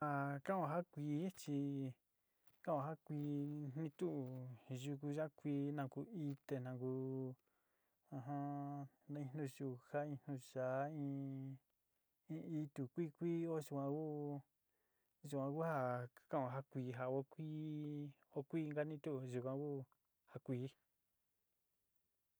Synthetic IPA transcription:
a˧˨kã˦˨˧ã˧ɦa˦kʷiː˨˧˦t͡ʃi˧ | kã˦˨˧ã˧ɦa˦kʷiː˧˦nnĩ˧t̪u˦ʔu˨ʒu˧k̬u˧ʒa˦kʷiː˧nã˧ku˧i˧t̪e˧nã˧ku˧ | ã˧ɦã˦ | nã˧ĩ˧nũ˧ʒu˧ha˦ĩ˧nũ˧ʃa˨˦ĩ˧ | ĩ˧i˧t̪u˨kʷi˦kʷiː˦o˦ʒu˧kʷã˧ku˦ | ʒu˧kʷã˧ku˦ha˧kã˦˨a˨ɦa˦kʷi˧ɦa˧o˦kʷiː˦ | o˦kʷiː˦˧ŋɡa˦nĩ˦t̪u˦ʔu˧ʒu˧kʷã˧ku˦ | ha˧kʷiː˨˦

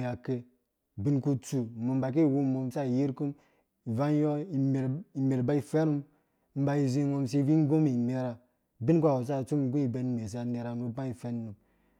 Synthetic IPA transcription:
ja˨ke˦ | bi˦nku˦t͡su˨mo˨m˦ba˨k̬i˦˨wu˦˨mo˨m˦sa˦i˨ji˦ɾku˦m | i˨va˦jɔ˦i˨me˨ɾi˨me˨ɾba˦i˨fe˦ɾu˦m˦ | m̩˦ba˨i˨zi˦ŋo˦˧ms̬i˦vi˦ŋ˦ɡo˦mi˨ne˦ɾa˨ | bi˦n˦kʷa˦˨o˨s̬a˦˨t͡su˦m˦ŋ˦ɡu˦i˨be˨˦n˨me˨s̬a˨ne˨ɾa˨nu˨˦ba˦i˨fe˦nː˦u˨m

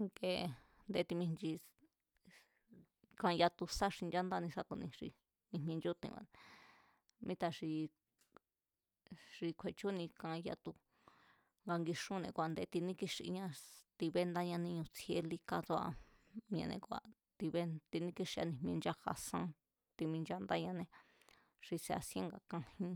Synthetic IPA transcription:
ŋɡe˧˨ | nd̪e˧t̪i˧mĩ˧nt͡ʃi˧ | kã˧ja˧t̪u˧sa˦ʂi˧nd͡ʒa˦nd̪a˦˧nĩ˧sa˦t̪u˧nĩ˧ʂḭ˧ | nĩ˧m̃˧nd͡ʒu˦t̪ḭ̃˧a̰˧˨ | mĩ˦t̪a˧ʂi˧ | ʐi˧kʷʰe˧˨t͡ʃu˦nĩ˧kã˧ja̰˧t̪u˧ | ŋɡa˧ŋɡi˧ʂũ˦nḛ̃˧˨kʷa˨nd̪e˧˦t̪i˧nĩ˦ki˦ʂi˧ʔɲã˧t̪i˧βe˦nd̪a˦ɲã˧nĩ˧ɲũ˧t͡sʰe˧˦li˦ka˧t͡so˧˦a̰˧m̃˧ḛ̃˧nḛ̃˧ku˧˨a̰˨ | t̪i˧βe˦t̪i˧nĩ˦ki˦ʂi˧a˧nĩ˧˨mĩẽ˧nd͡ʒa˦ha̰˧sã̰˦ | t̪i˧mĩ˧nd͡ʒa˦nd̪a˦ɲã˧nẽ˧ | ʂi˧se˧a̰˧sjẽ˦ŋɡa˧kã˧hĩ˧

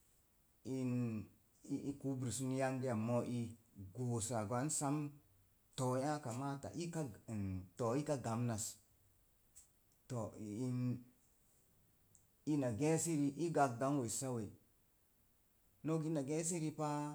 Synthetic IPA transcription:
i˦n | i˦ku˦bɾi˨su˦n˦ja˦ŋɡe˦ja˨mo˦ʔi˦ɡo˨sa˨ɡwa˨˦n˦sa˦m | to˨ja˦ka˨ma˦ta̰˨ʔi˦ka˦˨nto˨i˦ka˦ɡa˨mna˨s | to˨i˦n | i˦na˨ɡe˦si˦ɾi˨ʔi˦ɡa˨kda˨˦ŋwe˨sa˦we˨ | no˦ɡi˦na˨ɡe˦s̬i˦ɾi˦pa˦

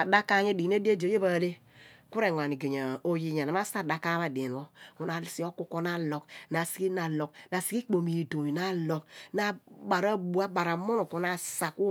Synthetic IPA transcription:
a˨da˦ka˦˨ɲe˦di˨n˦e˦de˦dje˦ba˨le˦ | ku˦ɾe˨ŋʷ˨a˨ni˨ɡe˨ɲa˨o˨ji˨ɲa˨na˨ma˦sa˦˨da˨ka˦βa˨de˨n˨o˦u˨na˨si˨˦o˦ku˦ko˦na˦lo˨kna˨si̥˨˦ki˦na˨lo˨k̚na˨si˨˦i˦k͡po˨mi˨do˨mi˨na˦lo˨kna˦ba˨ɾa˦bu˨a˦ba˨ɾa˨mo˦no˨ko˨na˦˨sa˨ku˦

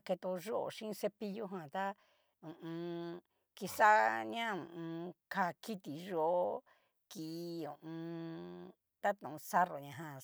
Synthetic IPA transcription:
ke˧t̪o˧ʒo˦ʔo̰˨ʃĩ˦˧se˧pi˦˧ju˦ɦã˧˨t̪a˦ | ũ˨ũ˧ | ki˧sa˦ɲã˦ũ˧˨ũ˧ka˧ki˦t̪i˨ʒo˦ʔo˦ | ki˧ũ˨ũ˧ | t̪a˦t̪ũ˨ũ˧sa˦ro˨ɲã˧ɦã˧

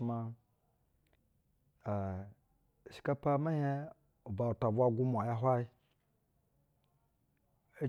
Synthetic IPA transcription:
ma˧ | a˨ | ʃi̥˨ka˦pa˦ma˦je˦ | u˨ba˨u˨ta˨bʷa˦ɡu˦m˨a˨ja˦ɦʷa˦i˦ | e˦

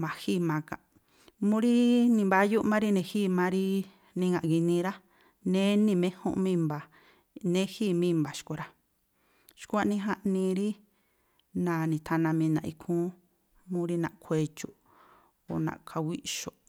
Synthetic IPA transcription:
mã˨hi˦˨mã˨˧kã̰˨ʔ | mũ˦ɾi˦nĩ˧˨mba˧˦ju˦ʔmã˦ɾi˦nẽ˧hiː˦mã˧ɾi˦ | nĩ˧ŋɡã˨ʔɡi˧nĩ˧ɾa˦ | nẽ˦nĩ˧˨mẽ˦hṵ̃˦ʔmĩ˦˧mba˨ | nẽ˦hiː˦˨mĩː˦˧mba˨ʃko˧ɾa˦ | ʃku˦a˧nĩ˧˦ɦa˦ʔnĩ˧ɾi˦ | nã˨nĩ˨t̪ʰa˧nã˧mĩ˧nã˨ʔi˧kʰũ˦ | mũ˦ɾi˧nã̰˧ʔkʷʰe˧t͡ʃu˧˨ | o˨nã̰˨kʰa˧wi˦ʔʃo˨

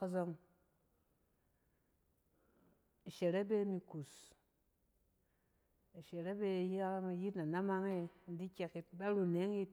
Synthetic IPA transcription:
o˦zo˧ŋ | e˨ʃe˨ɾe˦be˦mi˧ku˨s | e˨ʃe˨ɾe˦be˦˨ja˦mi˨ji˦tna˨na˦ma˦ŋe˦n̩˦di˦kʲe˧ki˨˦ba˦ɾu˨ne˨˦ŋ˦ji˦t

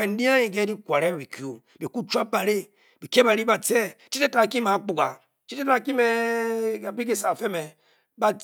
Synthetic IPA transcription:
e˨n̩˦di˦a˦i˨ɡe˦di˦kʷa˨ɾe˦bi˨ki˨o˨ | be˨ku˦t͡ʃu˦a˦pa˨ɾe˦ | bi˨ke˦ba˨ɾi˦ba˨t͡se˦t͡ʃi˦te˦ta˨ki˦ma˨˦k͡pu˨ɡa̰˨ | t͡ʃi˦te˦ta˨ki˦me˦ | a˨bi˦ɡi˦sa˨fe˦me˨ | ba˦

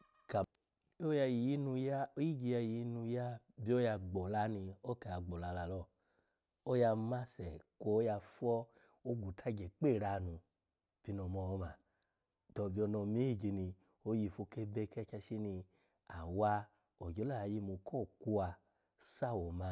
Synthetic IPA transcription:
ka˨˦ | ja˧ji˨ji˦nu˧ja˦o˦ji˦ɡi˧ja˧ji˨ji˦nu˧ja˦bi˦o˦ja˧ɡ͡bɔ˨la˨˦ni˧o˦ke˧˨a˧ɡ͡bɔ˨la˧la˧lɔ˦˨ | o˦ja˧ma˦sɛ˨kʷo˧˦ja˧fɔ˦ | o˦ɡu˨tʰa˦˨ɡɛ˨k͡pe˦˨ɾa˧˨nũ˧˨ | pi˨˧˦nɔ˨mɔ˧˦ma˧˨ | tɔ˧˨bi˧ɔ˧nɔ˧mi˦i˦˨ɡi˧ni˧ | o˧˦ji˧fo˧˦ke˦be˧kɛ˦kɛ˧ʃi˦ni˧ | a˨wa˧ | o˨ɡo˨˦la˦˨a˧˨ji˧˦mo˧kʰɔ˦˨ku˧a˧ | sa˦˨wo˨ma˨˧˦

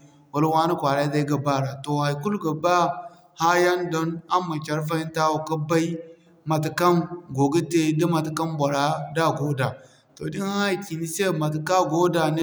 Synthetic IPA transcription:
wa˨lwa˦nə˦kʷa˨ɾa˦da˦i˦ɡə˨ba˦˨ɾa˨to˨ha˨ku˦lɡə˨ba˦ | ha˦ja˦ndo˦na˦mːa˨t͡ʃa˨ɾfa˦i˦n˦ta˦wu˨ka˦ba˦i˦ | ma˨t̬ka˦mɡo˨ɡə˦te˦də˦ma˨tka˦mbʷa˨ɾa˨da˦˨ɡo˦da˨ | to˨di˦n˦a˦˨ki˨ni˦se˦˨ma˨t̬ka˦ɡo˦da˨n˦

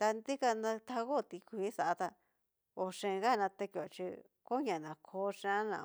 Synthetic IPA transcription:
t̪a˧nd̪i˦ka˧nã˧t̪ʰa˧ɣo˦˨t̪i˧˦kʷi˦sa˨ʔa˧t̪a˧ | o˨ʂẽ˧ɣa˦˨nã˧t̪e˧ko˨t͡ʃḭ˧ | ko˦ɲã˨nã˨kʰo˧˦ʂã˧˦nã̰˧˨

